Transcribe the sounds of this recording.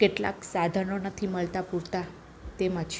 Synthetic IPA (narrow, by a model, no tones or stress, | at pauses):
keʈla̰ksad̪ʱənonət̪ʰiməɭt̪apuɾt̪a | t̪emat͡ʃ